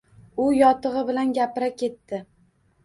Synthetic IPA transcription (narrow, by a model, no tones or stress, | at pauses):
ʊjɒt̪ʰɨʁɨbɪlanɡʲapɪɾakʲʰe̞t̪ːɪ